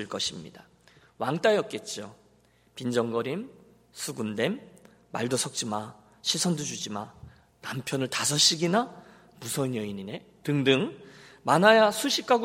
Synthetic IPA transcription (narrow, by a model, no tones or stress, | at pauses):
ɯɭk͈ʌɕʰimɲḭda | waŋt͈ajʌt̚k͈e̞t̚t͡ɕ͈o | pind͡ʑʌŋɡʌɾim | sʰuɡunde̞mː | a̰ɭdosʰʌk̚t͡ɕ͈ima | ɕʰisʰʌndud͡ʑud͡ʑima | nampʰjʌnɯɭtasʰʌɕ͈iɡina | musʰʌnjʌiɲine̞ | tɯŋdɯŋ | manajasʰuɕʰik͈ʰaɡ